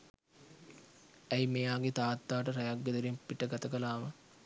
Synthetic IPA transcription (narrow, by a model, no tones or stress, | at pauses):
æjmejaːɡet̪aːt̪ːaːʈəɾajaɡːəd̪əɾimpiʈəɡat̪əkəlaːmə